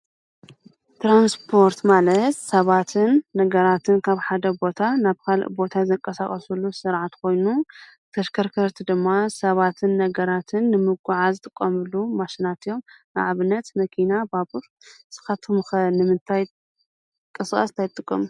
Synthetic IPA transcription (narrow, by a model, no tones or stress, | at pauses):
t̪ɾanspʰo̞ɾt̪malɐt̪sɐβat̪ʰɨnːɐɡɐɾat̪ʰɨnkʰaβħad̪ɐbo̞t̪ʰanaβkʰalbo̞t̪ʰazɐŋkʼːɐsaxʼɐsulːusɨɾʕat̪kʰo̞jnu | t̪ʰɐʃkʰɐɾkʰɐɾt̪ʰid̪ɨmːasɐβat̪ʰɨnːɐɡɐɾat̪ʰɨnːɨmɨɡʷuʕazɨt̪ʼɨkʼːɐmɨlːumaʃinat̪ɨjo̞mnɨ̰ʕaβɨnːɐt̪mɐkʰinababuɾ | sɨ̥xɐt̪ʰɨmɨxɐnɨmɨnt̪ʰaj | kʼɨskʼɐ̰st̪ʰajt̪ʼːɨkʼːɐ̰mu